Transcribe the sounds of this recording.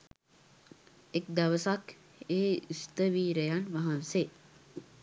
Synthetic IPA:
ek̚d̪aʋəsak | eːist̪əʋiːɾejanʋaɦanse

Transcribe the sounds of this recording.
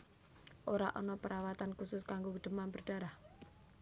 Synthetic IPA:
ʔoɾa̰ʔɔnɔpəɾawat̪ankusʊskaŋɡoɡɖ̪̥ə̤manbərɖ̥a̤ɾah

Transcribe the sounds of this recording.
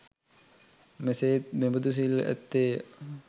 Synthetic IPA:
meseːt̪̚membud̪us̬ilæ̰t̪ːe

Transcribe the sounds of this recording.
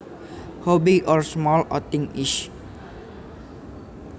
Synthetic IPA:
hɔbiʔɔɹsmɔlɔ̰t̪iŋiʃ

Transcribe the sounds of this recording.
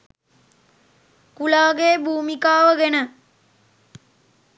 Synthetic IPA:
kulaːɡeːbʱuːmikaːʋəɡenə

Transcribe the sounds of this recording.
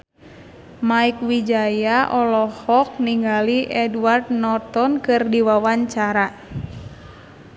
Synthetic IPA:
maik̚wid͡ʒajaʔɔlɔhɔk̚niŋɡaliʔɛduward̪̚nɔt̪ɔnkɨrdiwawaɲt͡ʃaɾa

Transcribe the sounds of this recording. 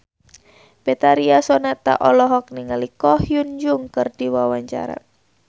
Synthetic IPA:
bɛt̪aɾiasɔnat̪a̰ʔɔlɔɦɔk̚niŋalikɔhjund͡ʒuŋkɨrdiwawaɲt͡ʃa̰ɾa̰

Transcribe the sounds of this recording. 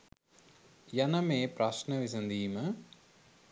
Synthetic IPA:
jɐnɐmeːpɾɐʃnɐʋis̬ɐnd̪iːmə

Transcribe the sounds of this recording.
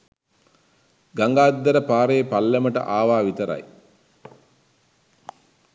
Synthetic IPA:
ɡaŋɡaːd̪ːəɾəpaːɾeːpalːeməʈə̰ʔaːʋaːʋit̪əɾa̰j

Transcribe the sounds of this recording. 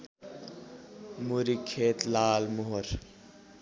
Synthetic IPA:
muɾikʰːeːt̪laːlmoɦoɾ

